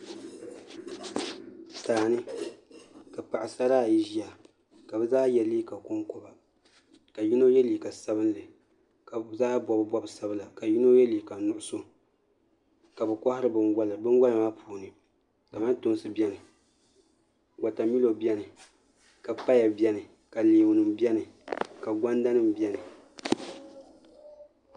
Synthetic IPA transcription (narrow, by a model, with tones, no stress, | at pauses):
saː˨nɨ˦ | ka˨pa˨ʔɪ˨sa˦ɾaː˦˨i˨ʒi˦a˨ | ka˨bɨ˦zaː˦jɛ˨liː˦ka˨kʊ˦ŋkɔ˨ba˨ | ka˨ji˦no˦jɛ˦liː˨ka˨sa˦bɨ˦n˦lɨ˨ | ka˨zaː˦bwɔ˨bɨ˦ba˦bsa˦bɨ˦la˨ka˨ji˦no˦jɛ˦liː˨ka˨nʊ˨ʔʊ˦so˦ | ka˨bɨ˨kʷa˦hɪ˦ɾɨ˨bɨ˨nɡʷa˦lɨ˨bɨ˦ŋ˦ɡa˦lma˦pʰuː˨nɨ˨ | ka˨ma˦n˦tʊ˦n˦sɨ˦bɛ˦nɨ˨ | ɡa˨ta˨mi˦lo˨bɛ˦nɨ˨ | ka˨pa˦ja˨bjɛ˦nɨ˨ | ka˨liː˨bnɨ˨mbjɛ˦nɨ˨ka˨ɡʷa˦nda˦nɨ˦m˨bjɛ˦nɨ˨